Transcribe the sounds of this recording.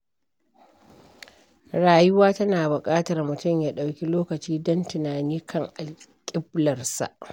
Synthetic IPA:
ɽaː˨jʊ˦waː˦tɐ˦naː˨bʊ˨kʼaː˦tɐ˨rmʊ˨tʊ˦˨mjaː˦ɗa˨wkʲi˦loː˦kɐ˨t͡ʃiː˦dɐ˦ntɪ˨naː˨niː˦kʰɐ˦ŋʔa˨lkʲʼɪ˦blɐ˨rsa̰˨ʔ

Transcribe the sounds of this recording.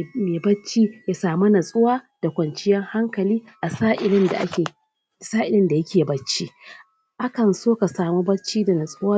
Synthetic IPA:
meː˨bɐ˦t͡ʃiː˦ja˨saː˨mu˦nɐ˨sʼʊ˦waː˦d̥a˨kʷɐ˨nt͡ʃɪ˦jɛ˦ŋha˦ŋkɐ˨liː˦ʔa˨saː˦ʔɪ˨lɪ˦nda̰˨ʔa̰˦kʲeː˨ | saː˦ʔɪ˨lɪ˦nda˨jɐ˦kʲeː˨bɐ˦t͡ʃːiː˦ | ʔa˦kɐ˨nsoː˦ka˨saː˨mu˦bɐ˦t͡ʃiː˦da˨nɐ˨sʼʊ˦waː˦

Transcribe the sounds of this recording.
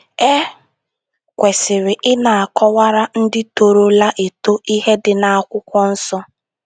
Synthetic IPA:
e˦ | kʷe˨sɪ˨ɾɪ˨ʔɪ˦na˨a˨kɔ˦wa˦ɾa˦n̩˦dɪ˦to˨ɾo˦la˦ʔe˨to˦i˦ɦe˦dɪ˨na˦a˦kʷʊ˦kʷɔ˦n̩˦sɔ˦

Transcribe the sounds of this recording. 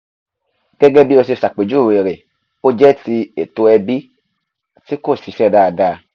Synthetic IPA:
ɡ̥ɛ˦ɡɛ˦bi˦o˧se˧sa˨k͡pe˨d͡ʒu˦˨e˨ɾe˨ | o˦d͡ʒɛ˦ti˧e˨to˧ɛ˧bi˦ | ti˦ko˦˨si˨˦ʃɛ˦˨da˦a˧da˦˧

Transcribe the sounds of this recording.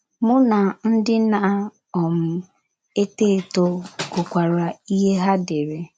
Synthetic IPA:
mʊ˦na˨n̩˦dɪ˦na˦a˦ | ɔ˨m̩˦ | e˦te˦˨to˦ko˨kʷa˨ɾa˨i˦ɦe˦ɦa˦dɪ˨ɾe˨

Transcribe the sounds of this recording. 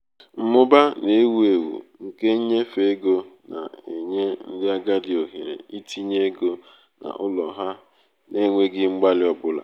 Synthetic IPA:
m̩˨mʊ˦ba˦ne˨˦wu˦e˨wṵ˨ŋ̩˨ke˦ɲ̩˦ɲe˦fe˨˦ɡo˦na̰˨e˨ɲe˦n̩˦dɪ˦a˦ɡa˦dɪ˨o˨ɦe˨ɾḛ˨i˦tʰi˦ɲe˦ɡo˦ | na̰˨ʔʊ˦lɔ˨ɦa˦ | ne˦ŋʷe˦ɡɪ˦ŋ͡m̩˦ɡ͡ba˦lɪ˦ɔ˦bʊ˦la̰˨

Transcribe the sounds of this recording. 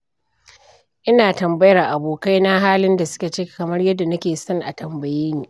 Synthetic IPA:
ʔɪ˦naː˨tɐ˨mbɐ˦jɐ˦rʔa˨boː˨ka˦jna˦ɦaː˦lɪ˦nda˨sʊ̥˦kʲa˨t͡ʃeː˦kkɐ˨mɐ˦rjɐ˦dːa˨nɐ˦kʲeː˨sɔ˦ŋʔa̰˨tɐ˨mbɐ˨jeː˦niː˦

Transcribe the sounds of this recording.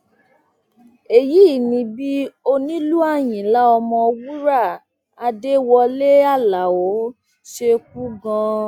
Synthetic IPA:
e˨ji˦˨nĩ˧bi˦o˧nĩ˦lu˦a˦˨j̃ĩ˨la˦ɔ˧mɔ̃˧wu˦ɾa˦˨ | a˧de˦wɔ˧le˦a˦˨la˨o˨˦ | ʃe˧k̚u˦ɡã˧

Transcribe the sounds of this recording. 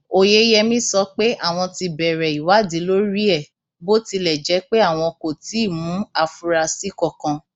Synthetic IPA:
o˨je˦jɛ˧mĩ˦sɔ˧˦k͡pe˦ʔa˦˨w̃ɔ̃˧ti˧bɛ˨ɾɛ˨i˨wa˨˦di˨˦lo˦ɾi˦ɛ˦˨ | bo˦ti˧lɛ˨d͡ʒɛ˨˦k͡pe˦a˦˨w̃ɔ̃˧ko˨ti˨˦i˦˨mũ˨˦a˦˧fu˦ɾa˧si˦kɔ˦˨kã˧

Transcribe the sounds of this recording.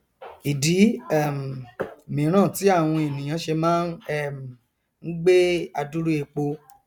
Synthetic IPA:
i˨di˨˦ɛ˦˨m˨mĩ˨˦ɾ̃ãː˦˨ti˨˦a˦˨w̃ɔ̃˧e˨nĩ˨j̃ã˨˧˦ʃe˧mãː˦nɛ˦˨ | ŋ̩˦ɡ͡be˦a˧du˦ɾu˦e˧k͡po˧

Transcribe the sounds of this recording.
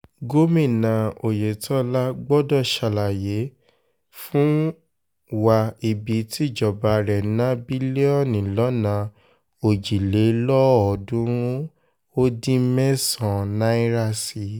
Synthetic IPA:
ɡo˦mĩ˦˨nã˨o˨je˨tʰɔ˦la˦ɡ͡bɔ˦dɔ˦˨ʃa˧˨la˨je˨˦ | fũ˦ | wa˧i˨bi˨˦tʰi˦˨d͡ʒɔ˨ba˨ɾɛ˨˦nã˦bi˦le˦ɔ˦˨nĩ˨lɔ˨˦nã˨˧ | o˨d͡ʒi˨le˨˦lɔ˦ɔ˨dũ˨˦ | o˦dĩ˦mɛ̃˦sɔ̃˨nã˦i˦ɾa˦si˧˨

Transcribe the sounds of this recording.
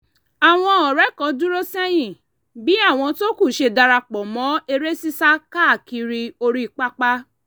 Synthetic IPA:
a˨w̃ɔ̃˧ɔ˨ɾɛ˨˦kɔ̃˨˧dũ˦ɾo˦sĩ˦ɛ˦j̃ĩ˨ | bi˨˦a˦˨w̃ɔ̃˧to˦ku˦˨ʃe˧da˧ɾa˧k͡pɔ˨mɔ̃˨˦e˧ɾe˦si˦sa˦ka˦˨ki˧ɾi˧o˧ɾi˦˧˨k͡pa˦k͡pa˦

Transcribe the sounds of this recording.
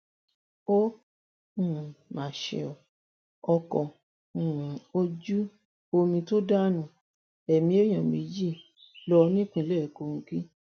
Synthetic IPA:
õ˦˨ | mã˨ʃḛ˧ɔ˨ | ɔ˧kɔ̃˧˨ | o˧d͡ʒu˦ | o˧mĩ˧to˦da˦nũ˨ | ɛ˨mĩ˧˦e˦j̃ã˨mĩ˧d͡ʒi˦˨ | lɔ˧˦nĩ˦˨k͡pĩ˧˨˧lɛ˦˨ko˧ki˦

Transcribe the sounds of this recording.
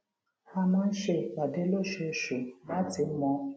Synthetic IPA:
a˦mã˦n̩˦ʃe˧ba˨de˦lo˦˨ʃe˨ʃu˨ma˦tɪ˨˦m̩˦mɔ˧˦

